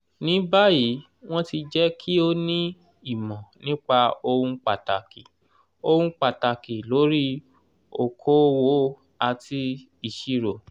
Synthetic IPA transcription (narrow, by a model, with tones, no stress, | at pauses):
nĩ˨˦ba˦ji˨˦ | w̃ɔ̃˦ti˧d͡ʒɛ˦kʰi˦o˦nĩ˦ | i˦˨mɔ̃˨nĩ˦k͡pa˧o˧hũ˧k͡pa˨ta˨ki˨ | o˧hũ˧k͡pa˨ta˨ki˨lo˨˦ɾi˦ | o˨kʰo˦wo˦ | a˧ti˧ | i˧ʃi˦ɾo˨